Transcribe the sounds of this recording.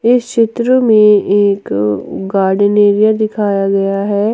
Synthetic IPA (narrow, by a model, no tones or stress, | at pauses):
ɪst͡ʃɪt̪ɾəmẽeːkɡaːɾɖɪneːɾijad̪ɪkʰaːjaɡɐjaɦɛː